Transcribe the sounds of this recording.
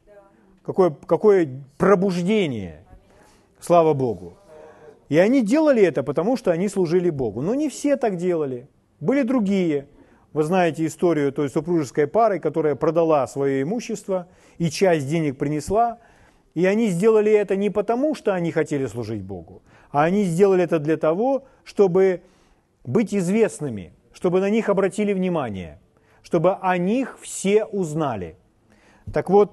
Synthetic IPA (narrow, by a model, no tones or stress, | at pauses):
kɐko̞jəkɐko̞jəprəbʊʐdʲenʲɪ̰jə̰ | slˠavəbo̞ɡʊ | iɐnʲidʲe̞lˠəlʲɪɛt̪əpət̪ɐmuʂt̪oɐnʲislˠʊʐɨlʲɪbo̞ɡʊno̞nʲɪfsʲe̞t̪akdʲe̞lˠəlʲɪ | bɨlʲɪd̪ɾʊɡʲijə | vɨznajɪtʲɪːst̪o̞ɾʲɪjʊt̪o̞jsʊpɾuʐɨskəjpaɾɨkɐt̪o̞ɾəjəpɾəd̪ɐlˠasvɐjo̞ɪmuɕːɪst̪və | it͡ɕæsʲt̚ʲdʲenʲɪk̚pɾʲɪnʲɪslˠa | iɐnʲizʲdʲe̞lˠəlʲɪɛt̪ənʲɪpət̪ɐmuʂt̪o̞ɐnʲixɐtʲelʲɪslˠʊʐɨt̚ʲbo̞̰ɡʊ | ɐɐnʲizʲdʲe̞lˠəlʲɪɛt̪əd̪lʲɐt̪ɐvo̞ | ʂt̪o̞bɨ | bɨtʲɪzvʲe̞snɨmʲɪ̰ | ʂt̪o̞bɨnɐnʲixɐbɾɐtʲilʲɪvnʲɪmanʲɪ̰jə̰ | ʂt̪o̞bɨʔɐnʲixfsʲe̞ʔʊznalʲɪ̰ | t̪ɐkvo̞t̪̚